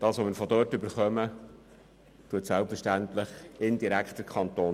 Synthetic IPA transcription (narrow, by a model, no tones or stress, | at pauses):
d̥ɑːsʋɔmɪɾfɔdœtɵbəɾχœmə | t̪uətsælpfəɾʃtænt̪lɪχɪndiɾækχtəɾkʰɑnt̪oː